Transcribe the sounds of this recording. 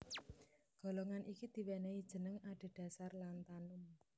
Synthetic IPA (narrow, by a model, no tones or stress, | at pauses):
ɡ̥ɔ̤loŋanʔikid̪̥i̤wɛneid̥ʒ̥ə̤nəŋaɖ̥e̤ɖ̥a̤sarlant̪anʊm